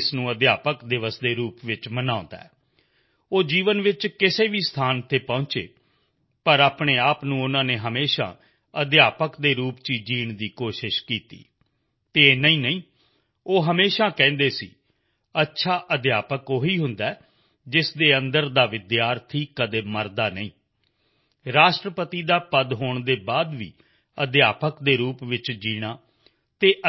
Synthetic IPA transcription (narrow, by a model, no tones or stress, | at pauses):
snũːəd̪jaːpəkd̪ɪʋəsd̪eːɾuːpʋɪt͡ʃmənaːʊ̃nd̪a̰ːɛː | oːd͡ʒiːʋənʋɪt͡ʃkɪseːʋiːst̪ʰaːnt̪ʰeːpɔ̃ʊːt͡ʃḛː | pəɾaːpɽeːaːpnũːʊnãːneːɦəmeːʃa̰ː | əd̪jaːpəkd̪eːɾuːpt͡ʃiːd͡ʒiːɳd̪iːkoːʃɪʃkiːt̪ḭː | t̪eːnəĩːnəĩː | oːɦəmeːʃaːkɛ̃ːnd̪eːsḭː | ətːʃʰaːʔəd̪jaːpəkoːɦiːɦʊnd̪aː | d͡ʒɪsd̪eːənd̪əɾd̪aːʋɪd̪jaːɾt̪ʰiːkəd̪eːməɾd̪aːnəĩː | ɾaːʃʈɾəpət̪iːd̪aːpəd̪ɦoːɳd̪eːbaːd̪ʋḭː | əd̪jaːpəkd̪eːɾuːpʋɪt͡ʃd͡ʒiːɽ̃aː | t̪eːʔə